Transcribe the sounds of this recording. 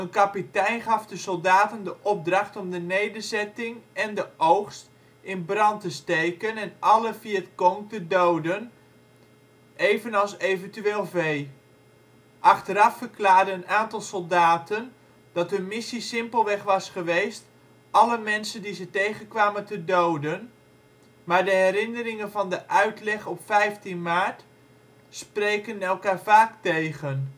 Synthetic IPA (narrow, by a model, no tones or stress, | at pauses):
ənkapitɛjnχɑfdəsɔlˠdaːtəndəʔɔb̚drɑχtɔmdənejdərzɛtɪŋɛndəʔowχst | ɪnbrɑntəstejkənɛnʔɑləfiətkoŋtədowdən | ʔeːvənɑlˠsejvəntyeːlˠvej | ʔɑxtəɾɑfərklaːrdəənaːntɑlˠsolˠdaːtən | d̥ɑtɦɵnmɪsisɪmpəlˠʋɛχʋɑsχəʋejst | ʔɑləmɛnsəndizətejχənkʋaːməntədowdən | maːɹdəɦɛɾɪnərɪŋənvɑndəʔœɥtlɛχɔpfɛjftinmaːt | sprejkənɛlˠkaːɹfaːktejɣən